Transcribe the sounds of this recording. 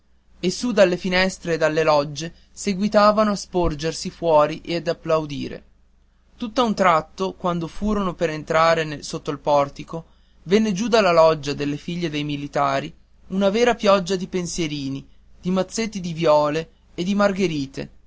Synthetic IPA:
esːud̪alːefinɛst̪ɾeːd̪alːelɔd͡ʒːe | seɡwit̪aːvanoaspord͡ʒersifwɔːɾiʔead̪apːlawd̪ḭːɾḛ | t̪ut̪ːaunt̪ɾat̪ːokwand̪ofuːɾonopeɾent̪ɾaːɾenelsot̪ːoilpɔrt̪iko | venːed͡ʒud̪alːalɔd͡ʒːad̪elːefiʎːed̪ejmilit̪aːɾi | unavɛːɾapjɔd͡ʒːad̪ipensjeɾiːni | d̪̥imat̪sːet̪ːid̪ivjɔːleː | d̪imarɡeɾiːt̪ḛ

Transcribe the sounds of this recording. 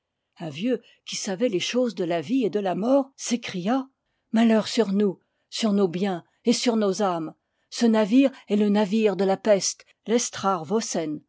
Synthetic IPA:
ɛ̃vjø | kʲisavɛleʃozd̪əlavied̪əlamɔːʁsekχija | malœʁsyʁnu | syʁnobjɛ̃ | esyʁnozam | sənaviʁɛlənaviʁd̪əlapɛst̪ | lɛst̪χaʁvosɛn

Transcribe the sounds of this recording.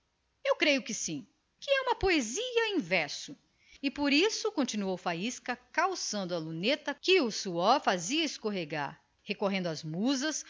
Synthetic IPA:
ewkɾejʊkɪsĩ | kɪɛũmɐpoeziɐĩvɛɾsʊ | ɪpoɾisʊkõnt͡ʃinuowfaiskɐkawsɐ̃nd̪ʊɐlunet̪ɐkɪʊsuɔɾfaziɐeskoɦeɡa̰ɾ | hekoɦẽnd̪ʊɐzmuzɐs

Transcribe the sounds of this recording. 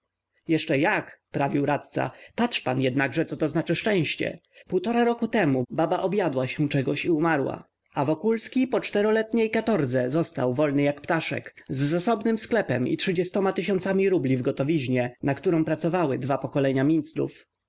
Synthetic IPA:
jɛʂt͡ʂɛjakpɾavʲiwɾat̪t̪sa̰patʂpanjɛd̪naɡʐɛt̪ɔt̪ɔznat͡ʂɘʂt͡ʂɛ̃w̃ɕt͡ɕɛ̰puwt̪ɔɾaɾɔkut̪ɛmubabaʔɔbjad̪waɕɛ̃t͡ʂɛɡɔɕiumaɾwa̰ | avɔkulskʲipɔt͡ʂt̪ɛɾɔlɛt̪ɲejkat̪ɔɾd̪zɛzɔst̪a̰wvɔlnɘjakpt̪aʂɛ̰kzːasɔbnɘmsklɛpɛmḭtʂɘd͡ʑɛst̪ɔmat̪ɘɕɔnt̪samʲiɾublʲivɡɔt̪ɔvʲiʑɲɛnatk̚t̪uɾɔ̃pɾat̪sɔvawɘd̪vapɔkɔlɛɲamʲint̪slṵf

